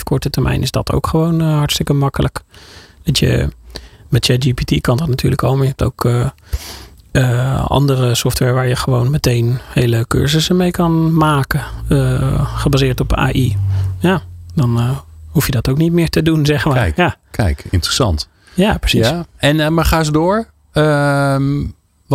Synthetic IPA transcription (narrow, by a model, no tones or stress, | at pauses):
fkʰɔɹtətəɹmʔɛ̰jnʔɪzdɔ̰tʰo̰wkχəʋoːnɦɑɹtstɪkəmɑkələkd̥ɔtjə̰ | mɛtjɛd͡ʒipitikɑndɔtnatʰyːɹləkʰɔlˠmaɹjəɦɛp̚to̰wkə | əɑ̰ndərəsɔftʋɛɹʋaːɹjəχəʋoːwnmətejnheːləkø̰ɹzəsəmejkɑnmaːkəəχəbaːzɪːɹtɔpa̰ːʔijadɔnhufjədɔtowknit̚mɪːɹtədunzɛxəmaja | kɛ̰jkɪ̰ntrəsɑ̰nt | japəsisɛnmaχaːs̬ədoːɹ | ə